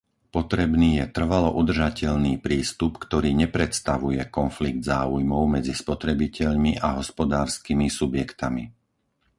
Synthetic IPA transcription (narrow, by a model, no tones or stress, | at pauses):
pɔt̪ɾɛbniːjɛt̪r̩ʋalɔʔud̪r̩ʒacɛʎniːpɾiːst̪upkt̪ɔɾiːɲɛpɾɛt̪st̪aʋujɛkɔnfliɡ̚d̪zaːujmɔʊmɛd͡zispɔt̪ɾɛbicɛʎmiʔaɦɔspɔd̪aːɾskimisubjɛkt̪amḭ